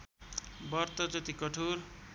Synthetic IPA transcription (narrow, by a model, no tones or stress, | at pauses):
bʌrt̪ʌd͡zʌt̪ikʌʈʰuɾ